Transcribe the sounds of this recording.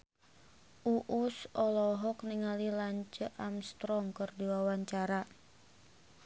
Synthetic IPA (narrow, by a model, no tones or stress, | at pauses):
ʔuʔusɔlɔɦɔk̚niŋalilaɲt͡ʃəʔamst̪ɾɔŋkɨrdiwawaɲt͡ʃaɾa